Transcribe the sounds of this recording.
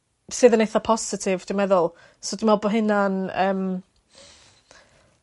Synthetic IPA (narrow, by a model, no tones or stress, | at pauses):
sɨːðənejθɔpʰɔsɪtʰɪvd̥ɪmɛðʊlˠ | sodɪmɛlˠbɔɦɪnanəːm